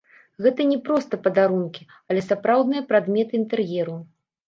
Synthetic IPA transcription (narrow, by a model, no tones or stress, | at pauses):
ɣɛt̪ɐnʲɛpɾɔst̪ɐpɐd̪aɾunkʲi | ɐlʲɛsapɾawd̪nɨjɐpɾad̪mʲɛt̪ɨint̪ɛrjɛɾu